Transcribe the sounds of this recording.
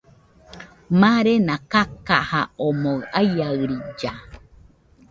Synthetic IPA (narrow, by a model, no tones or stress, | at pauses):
mãɾenãkakahaomoajaɨɾid͡ʒa